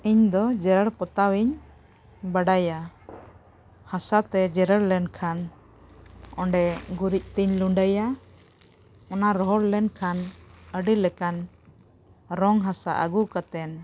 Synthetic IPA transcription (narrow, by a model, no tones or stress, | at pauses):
iɲd̪ɔd͡ʒɛɾəɽpɔt̪awiɲ | baɖaja | hasat̪ɛd͡ʒɛɾəɽlɛnkʰan | ɔɳɖɛɡuɾic̚t̪iɲluɳɖəja | ɔnaɾɔɦɔɽlɛnkʰanəɖilɛkan | ɾɔŋɦasa̰ʔə̰ɡukat̪ɛn